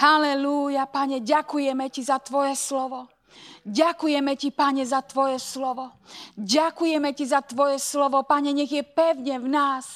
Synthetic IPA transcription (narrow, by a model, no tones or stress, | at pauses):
halɛlujapaɲɛɟakujɛmɛcizat̪ʋɔjɛslɔʋɔ | ɟakujɛmɛcipaɲɛzat̪ʋɔjɛslɔʋɔɟakujɛmɛcizat̪ʋɔjɛslɔʋɔpaɲɛɲɛɣjɛpɛʊɲɛvnaːs